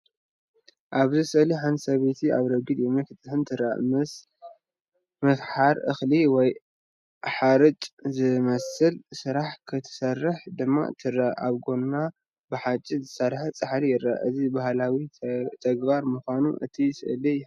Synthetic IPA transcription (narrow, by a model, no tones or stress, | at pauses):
ʔaβzɨsɨʔliħansɐβet̪ʰiaβɾɐɡɨd̪jomɨkɨt̪ʼɨhɨnt̪ʰɨɾa̰m | mɐsħaɾʔɨxliwɔj | ʔaħaɾɨt͡ʃʼzɨmɐsɨlsɨɾaħkʰɨt̪ʰɨ̥sɐrːɨħd̪ɨmːa̰t̪ʰɨɾaa̰βɡo̞nːa | bɨħat͡ʃʼːizɨsɐɾħat͡sʼɨħalijɪɾːa̰ʔɨzibaɦlawit̪ʰɐɡbaɾmuxʷanuʔɨ̰t̪ʰisɨʔɨli